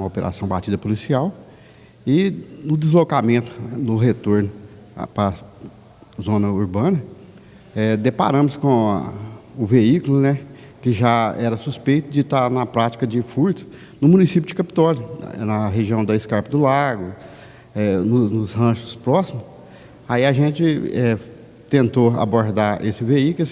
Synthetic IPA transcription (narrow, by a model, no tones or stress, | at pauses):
mɐopeɾʔa̰sɐ̃w̃bat͡ʃid̪ɐpolisiaw | ɪnʊd̪ɪzlokamẽnt̪ʊ̥nʊɦet̪oɾnʊ̰ | pɾɐ | zõnɐuɾbɐ̃nɐ | ɛd̪epa̰ɾɐ̃mʊskõ̰ | ʊveikʊlʊnɛ | kɪʒaɛɾɐsuspejt̪ʊd͡ʒɪt̪anɐpɾat͡ʃi̥kɐd͡ʒɪfuɾt̪ɐ̥s | nʊmunisipjʊd͡ʒɪkapi̥t̪ɔljʊnɐɦeʒiɐ̃w̃d̪ɐɪskaɾpɐd̪ʊlaɡʊ | ɛnʊnʊshɐ̃ʃʊ̥spɾɔsimʊs | aiaʒẽt͡ʃɪɛ | t̪ẽnt̪oa̰boɾd̪aʔesɪveikʊlʊ